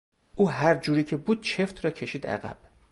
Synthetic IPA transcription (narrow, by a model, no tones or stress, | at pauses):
ʔuːɦæɾd͡ʒuːɾiːcʰebuːd̪̥̚t͡ʃʰe̞ft̪ʰɾɒːcʰe̞ʃiːd̪æ̰ɣæ̰b̥